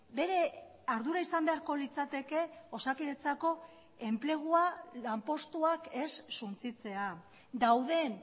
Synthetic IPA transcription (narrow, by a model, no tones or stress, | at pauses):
be̞ɾe̞ | aɾðuɾaisambe̞aɾko̞lit͡sat̪e̞ke̞o̞sakiðet͡sako̞ | e̞mple̞ɣ̞ualampo̞st̪uake̞sːunt͡sit͡se̞a | d̪awðe̞n